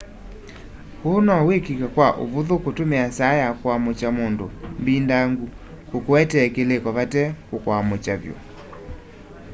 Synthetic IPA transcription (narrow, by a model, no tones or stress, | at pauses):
konɔwekikakwaʔo̰voðokotomeasajakwamot͡ʃamondombindaŋɡu | kokoɛtɛkelekɔβatɛkokoamot͡ʃavjɔ̰